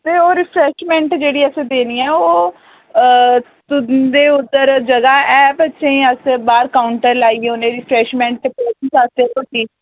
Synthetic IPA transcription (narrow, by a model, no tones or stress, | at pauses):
t̪eːoːɾɪpʰɾɛːʃmɛ̃ːɳʈd͡ʒeːɽiːəsẽd̪eːniːɛːoː | t̪ʊd̪eːʊd̪ːəɾd͡ʒəɡaːɛːbətːʃeĩːəsbaːɾkaːʊɳʈəɾlaːiːʊnẽːɾiːpʰɾɛːʃmɛ̃ːɳʈ̚t̪eːpɛːtiːsaːst̪eːkoʈiː